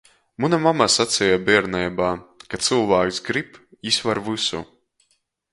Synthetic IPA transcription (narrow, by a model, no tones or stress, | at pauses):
munamamasat̪sɛjabiɛɾnɛjbaːkat̪sɨlˠvaːksɡɾipisvaɾvɨsṵ